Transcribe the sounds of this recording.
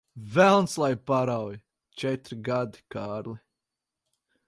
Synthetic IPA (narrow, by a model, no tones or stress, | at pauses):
vɛlˠnslˠajpaɾawj | t͡ʃɛt̪ɾiɡad̪i̥kaːɾli